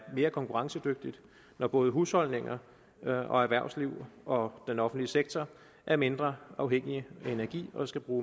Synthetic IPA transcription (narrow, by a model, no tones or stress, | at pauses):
me̝ːɐkʰɒ̽ŋkʰuʁɑ̈ŋsəd̥øɡ̥̚d̥id̥ | nɒb̥ɔ̽ːð̞̩ˠɦushɒ̽l̰ne̝ŋɐ | ɒ̽æɐʋæɐ̰sliʊ̰ɒ̽d̥enɒ̽fn̩d̥liseɡ̥̚t͡sʰɒ | ʔæɐme̝nd̥ʁɐɑ̈ʊɦeŋ̰iəe̝næɐɡ̥ḭːɒ̽sɡ̥æb̥ʁuː